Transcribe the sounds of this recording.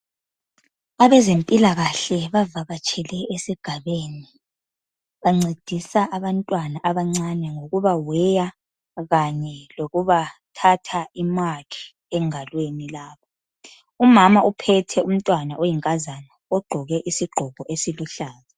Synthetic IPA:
aβɛzempʼilaɣaɬɛβavaɣat͡ʃʼʰɛlɛesiɡ̥ʱaβeni | βaŋ͡ǀed̥ʱisaʔaβantʼwanaʔaβaŋ͡ǀanɛŋoɣuβawɛja | ɣaɲɛloɣuβatʰatʰaimakʰi̥ | ɛŋalwenilaːβɔ | umamaupʰɛtʰɛum̩tʼwanaojiŋkʼazanaɔɡ͡ǃʱɔɣɛʔisiɡ͡ǃʱɔɣɔʔesiluɬaːza

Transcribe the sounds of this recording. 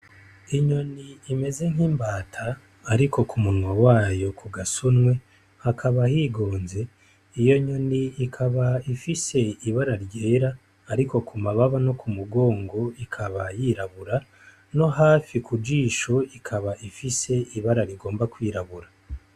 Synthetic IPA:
iɲo̞niime̞ze̞ŋ̥iːmbaːtʰaː | ɾikʰo̞kumunŋwawaːjo̞kʰuɡasunŋwe̞ | hakʰaβahiːɡo̞ːnze̞ | ijo̞ɲo̞niːkʰaβaifise̞iβaɾaɾɟe̞ːɾaː | ɾiko̞kumaβaβano̞kumuɡo̞ːŋɡo̞ikʰaβajiɾaβuɾa | no̞ɦaːfikud͡ʒiːʃo̞ikʰaβaʔifise̞iβaɾaɾiɡo̞ːmbakwiːɾaβuɾa

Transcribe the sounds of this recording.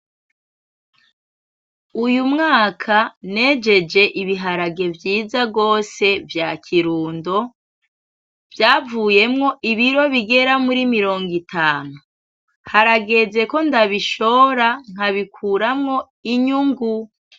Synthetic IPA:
ujumŋaːkʰane̞ːd͡ʒe̞d͡ʒe̞ʔiβiɦaɾaɡe̞vjiːzaɡo̞ːse̞vjacʰiɾuːndo̞ | vjaːvuːje̞mŋo̞ʔiβiɾo̞βiɡe̞ɾamuɾimiɾo̞ːŋɡitʰaːnu | haɾaɡe̞ze̞ko̞ndaβiʃo̞ːɾaŋ̥aβikʰuɾamŋo̞ | iɲuŋɡu

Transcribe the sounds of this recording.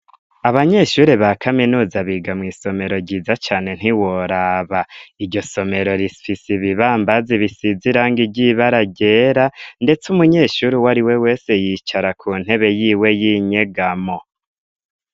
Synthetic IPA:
aβaɲe̞ʃuːɾeβakʰaminuːzaβiːɡamŋiːso̞me̞ɾo̞ɟiːzat͡ʃaːne̞n̥iwoɾaβaiɾɟo̞so̞me̞ɾo̞ɾifisiβiβaːmbaziβisiziɾaːŋɡiɟiβaɾaɟe̞ːɾande̞t͡sumuɲe̞ːʃuːɾiwaɾiwe̞we̞ːse̞jiːt͡ʃaɾakʰuːn̥he̞βe̞jiːwe̞jiːɲe̞ɡamo̞

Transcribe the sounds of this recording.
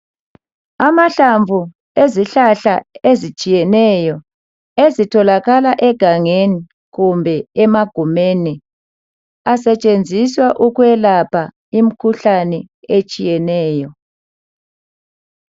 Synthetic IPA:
amaɬaɱvʱu | eziɬaɬaezit͡ʃʼijɛnɛjɔ | ezitʰɔlaɣalaʔɛɡ̥ʱaŋeni | ɣumbʱɛɛmaɡ̥ʱumeni | asɛt͡ʃʼend͡zʱiswaʔuɣwɛlapʰa | im̩kʰuɬanɛ | et͡ʃʼijɛnɛːjɔ

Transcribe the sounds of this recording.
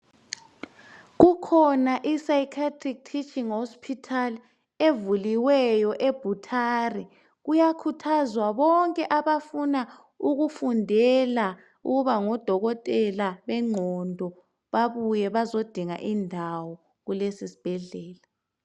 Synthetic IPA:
ɣukʰɔnaʔisajikʰatʰʼrik̚tʰit͡ʃʼiŋhɔspʰitʰal | evuliwɛjɔʔeb̥ʱutʰari | ɣujakʰutʰazwaβɔŋkʼɛʔaβafuna | uɣufundʱɛla | ṵɣuβaŋɔd̥ʱɔɣɔtʼɛlaβɛŋ͡ǀʱɔndʱɔ | βaβujɛβazod̥ʱiŋa̰ʔindʱawɔ | ɣulesisi̥b̥ʱɛɮɛːla

